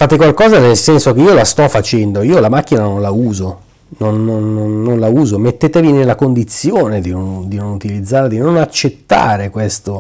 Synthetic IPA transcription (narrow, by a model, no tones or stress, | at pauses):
faːt̪ekwalkɔːzanelsɛnsokeiolast̪ɔfat͡ʃɛnd̪oiːolamak̟ːinanonlauːzo | nonːonːonːonlauːzomet̪ːeːt̪evinelːakond̪it̪sːjoːned̪inond̪inonut̪ilid̪zːaːɾed̪inonat͡ʃːet̪ːa̰ːɾekwest̪o